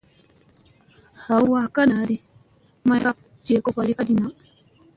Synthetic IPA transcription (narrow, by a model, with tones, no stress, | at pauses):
ha˨wwa˦ka˦na˨ɾi˦ | ma˦ja˦ | d͡ʒe˨kɔ˦fa˨ɾi˦ka˦di˨na˨